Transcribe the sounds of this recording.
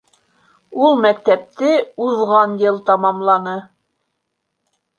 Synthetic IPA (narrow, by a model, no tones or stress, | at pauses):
ulˠmæk̚t̪æp̚t̪ɘuðʁɑnjɤlˠt̪ɑmɑmlˠɑnɤ